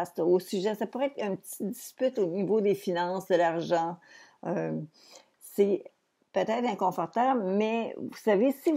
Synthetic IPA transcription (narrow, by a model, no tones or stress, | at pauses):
st̪osyʒɛsapuʁɛːt̪χɛ̃pət̪i̥d͡z̪i̥spyt̪onivod̪efinɑ̃sd̪əlaʁʒɑ̃ø | sɛ | pøt̪ɛt̪χɛ̃kɔ̃fɔʁt̪ablmɛvusavesi